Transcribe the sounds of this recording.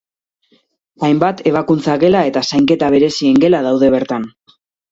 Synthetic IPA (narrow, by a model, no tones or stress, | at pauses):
ajmbat̪e̞β̞akunt͡saɣe̞lae̞t̪asajŋke̞t̪aβ̞e̞ɾe̞sie̞ŋɡe̞laðawðe̞β̞e̞ɾt̪an